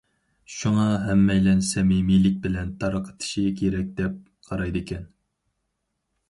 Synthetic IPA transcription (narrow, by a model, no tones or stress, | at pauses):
ʃuŋɑɦɛmːɛjlɛnsɛmimilɪk̚ʲbɪlɛnt̪ʰɑɾəqʰə̥t̪ʰɨ̥ʃikʲʰeɾɛk̚ʲd̪ɛp̚ | qʰɑɾɑjd̪ɨkʲʰɛn